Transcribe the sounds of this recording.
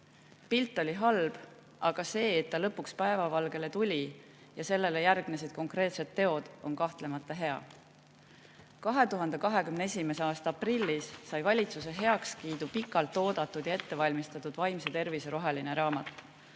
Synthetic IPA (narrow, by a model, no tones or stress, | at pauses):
pilt̪ːˑo̞lʲiɦɑlb̥ | ʔɑɡ̥ɑse̞ːt̪ːɑlɤpːˑukspæe̞vɑvɑlɡ̥e̞le̞t̪ulʲi | jɑse̞lːe̞le̞jærɡ̥nesed̪̥̚ko̞ŋkre̞ːt̪se̞t̪ːe̞o̞d̪̥o̞̰nkɑht̪le̞mɑt̪ːˑɑɦe̞ɑ̰ | kɑɦe̞t̪uɦɑnd̪e̞kɑɦe̞kymnee̞sʲime̞seɑːst̪ɑɑprilʲːisːɑjvɑlʲit̪sus̬e̞ɦe̞ɑkskiːd̪̥upikːˑɑlt̪ːˑo̞ːd̪̥ɑt̪ːˑud̪̥jɑe̞t̪ːe̞vɑlʲmist̪ɑt̪ːˑud̪̥vɑjmset̪e̞rviseɾo̞ɦeline̞ɾɑːmɑt̪ːˑ